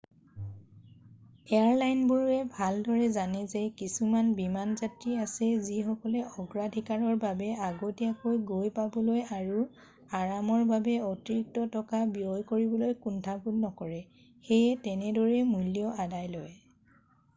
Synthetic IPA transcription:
ɛaɹlajnbuɹɛbʱaldɔɹɛzanɛzɛkisumanbimanzatɹiasɛzixɔkɔlɛɔɡɹadʱikaɹɔɹbabɛaɡotiakojɡojpabɔlojaɹu | aɹamɔɹbabɛɔtiɹik̚tɔtɔkabiojkoɹibɔlojkuntʰapulnɔkɔɹɛ | xejɛtɛnɛdɔɹɛmulijɔadajlɔj

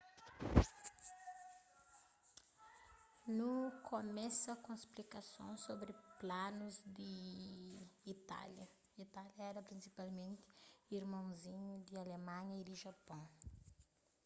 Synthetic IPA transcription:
nukʰomɛsɐkõisplikɐsõ̰sobɾɪplanuzd̪ɪ | t̪a̰ljɐ | it̪aljɐɛɾɐpɾĩsipalmẽnt̪ɪ̥iɾmɐ̃w̃zĩɲud̪ɪalemɐ̃ɲɐid̪ɪʒɐpɐ̃w̃

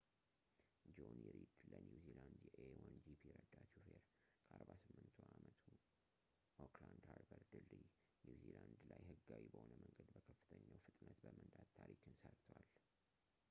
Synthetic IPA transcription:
d͡ʒonɛɾid̪lənjuziland̪jɛʔewand͡ʒipʰiɾəd̪at͡ʃufeɾ | kʰəaɾbasɨmːɨnt̪ʰuamət̪ʰu | okland̪haɾbəɾd̪ɨlːi | njuziland̪lajhɨɡːawibəhonəməŋɡəd̪bəkʰəfːɨ̥t̪ʰəɲːawfɨt̪ʼnət̪bəmənd̪ad̪t̪ʰːaɾikɨnsəɾt̪ʰwal

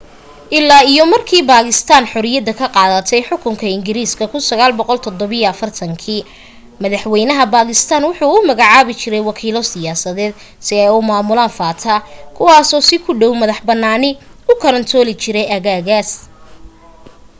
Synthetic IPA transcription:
ʔɪlːaːijɔmɐrkʰiːbaːɣɪst̪ʰaːnħʊɾɪjɐd̪ɐkʰɐqɑːðɐt̪ʰɛjħʊkʰʊŋkʰɐɪŋɡɪɾiːskʰɐkʰʊnsɐɣaːlbɔqɔlt̪ʰɔd̪ɔβɐjɔɐfɐrt̪ʰɐŋkʰiː | mɐðɐħwɛjnɐɦɐbaːɣɪst̪ʰaːnwʊħuːʊmɐɣaʕaːβɪt͡ʃɪɾɛjwɑkʰiːlɔsɪjaːsɐðɛːd̪ | sɪɛjʊmaːmʊlaːnfaːt̪ʰɐkʰʊwɑːsɔːsɪkʰʊɖɔwmɐðɐħbɐnːaːnɪʊkʰɐɾɐnt̪ʰɔːlɪt͡ʃɪɾɛjʔɐɣaːɣaːs

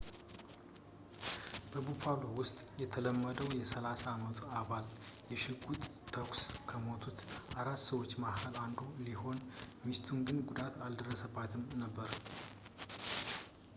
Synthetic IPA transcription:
b̥əbufalowʊst̪ʼjɛt̪ʰələmːəd̪əwjɛsəlasaːmət̪ʰuaβaljɛʃɪɡut̪t̪ʰːəkskʰəmo̞t̪ʰut̪ʔaɾat̪ːsəwot͡ʃːmakʰəland̪uliho̞nmist̪ʰunɡɨnɡud̪at̪ʰald̪ərːəsəbːat̪ʰɨmnəbːəɾ

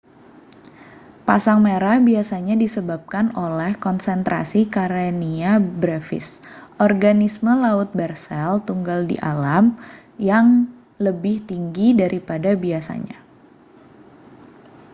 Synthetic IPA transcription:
pasaŋmeɾahbiasaɲadisəbap̚kanolɛhkɔnsɛnt̪ɾa̰sikaɾeniabɾɛfɪ̰sʔɔrɡanisməlaʊt̪̚bɛrsɛlt̪uŋɡaldḭʔa̰lam | jaŋ | ləbɪht̪iŋɡidaɾʔipadabiasa̰ɲa̰

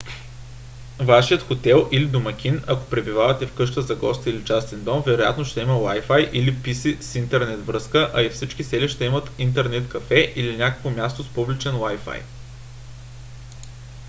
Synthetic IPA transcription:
vaʃijət̪xot̪ɛlˠʔilid̪omɐkʲinɐko̥pɾɛbivavɐt̪ɛfkɤʃ̬t̪əzɐɡɔst̪ilit͡ʃast̪ɛnd̪ɔmvɛɾoja̰t̪noʃt̪ɛiməlajfajʔilipisisint̪ɛɾnɛt̪vɾɤskəʔɐifsit͡ʃkisɛliʃt̪ɛimət̪int̪ɛɾnɛt̪kɐfɛʔilinʲakə̥kvomʲjast̪ospublit͡ʃɛnwajfa̰j

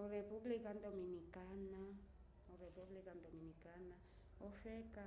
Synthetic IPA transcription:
orepublikand̪ominikana | orepublikand̪ominikana | ofɛka

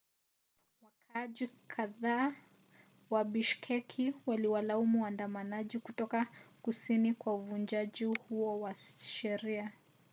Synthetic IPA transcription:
wakʰaʄikʰaðaː | waɓiʃkʰɛkʰiwaliwalaumuwandamanaʄikutɔkakusinikwauvund͡ʒaʄihuɔwaʃɛɾia

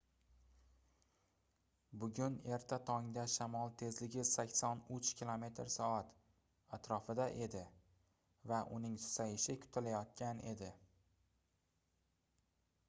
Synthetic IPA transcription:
bʊɡʲʊne̞ɾt̪ʰat̪ʰɒŋd̪aʃamɒlˠt̪ʰe̞zlɪɡʲɪsakʲsɒnʊt͡ʃkʲilˠome̞t̪ʰɾsɒat̪ | at̪ɾɒfɪd̪aʔe̞d̪ɪ | vaʔʊnɪŋsajɪʃɪkʲʰʊ̥t̪ʰalajɒt̪̚kʲane̞d̪ɪ

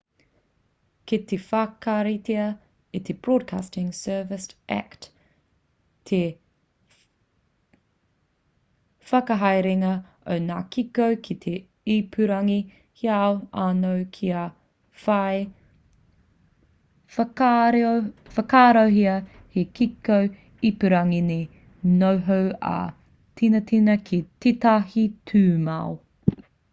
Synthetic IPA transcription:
ket̪efɐkɐɾiteɐ | it̪ʰebɹod̚kʰastɪŋsɜːvɪsæ̰kt | t̪ʰe | fɐkɐɦajɾeŋɐ | o̰wnaːkʰikowkʰit̪ʰe | ipʰʉɾɐŋi | hiawanowkʰia | fɐe | fɐkaːɾowɦiɐ | hekikow | ipʉɾɐŋine | nowɦowɐ̰ | tʰinɐtʰinɐkʰititahitʰʉːma̰w

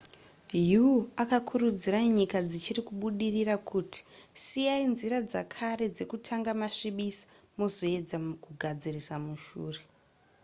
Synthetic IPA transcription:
juakakʰurud͡ziraɲikad͡zit͡ʃirikuɓuɗirirakʰuti̥sijainziɾad͡za̰kʰaɾe̞d͡ze̞kutʰaŋɡamaʃiɓisḁ | mo̞zo̞e̞d͡zakuɡʱad͡zirisamuʃuːre̞

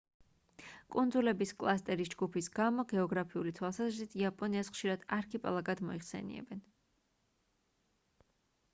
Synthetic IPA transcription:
kʼund̪zulɛbiskʼlˠast̪ʼɛɾisd͡ʒɡupʰisɡamɔɡɛɔɡɾapʰiulit̪ʰwalˠsazɾit̪ʰiapʼɔniasχʃiɾad̪̥aɾkʰipʼalˠaɡad̪mɔiχsɛ̰nḭɛ̰bɛn

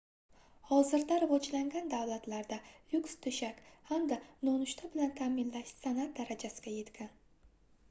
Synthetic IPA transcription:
hɒzɪɾd̪aɾavɒd͡ʒlaŋɡʲand̪awlat̪laɾd̪ajʊkst̪ʰʊʃakʲhamd̪anonʊʃt̪ʰabɪlant̪ʰamɪnlaʃsanat̪̚d̪aɾad͡ʒasɪɡʲaje̞t̪ɡʲʰan

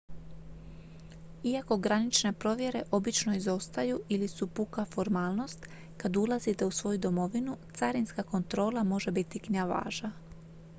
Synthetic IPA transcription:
iako̞ɡɾanit͡ʃne̞pɾo̞ʋje̞ɾe̞ʔo̞bit͡ʃno̞izo̞st̪ajuʔilisupukafo̞ɾmaːlˠno̞st̪ | kad̪ulˠazit̪e̞usʋo̞jud̪o̞mo̞ʋinut̪saɾinskako̞nt̪ɾo̞ːlˠamo̞ʒe̞bit̪ːikɲiaʋa̰ːʒa

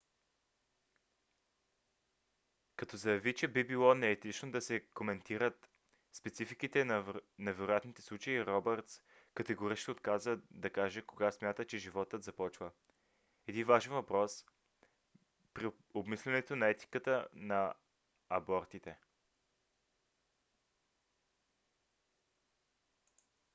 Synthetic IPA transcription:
kɐt̪ɔzɐjɐvit͡ʃɛbibilˠɔnɛːt̪it͡ʃnod̪ɐsɛkomɛnt̪iɾət̪ | spɛt̪sifikit̪ɛnnɛvɛɾʊjat̪nit̪ɛ̥slˠut͡ʃəiɾɔbɛɾt̪s | kət̪ɛɡoɾit͡ʃniot̪kazəd̪ɐkaʒɛkoɡasmjat̪ət͡ʃɛʒivɔt̪ət̪zɐpɔt͡ʃvə | ɛd̪invaʒɛnvɐpɾɔs | pɾi | obmislʲɛnɛt̪onɐɛt̪i̥kət̪ənɐ | ɐbɔɾt̪it̪ɛ

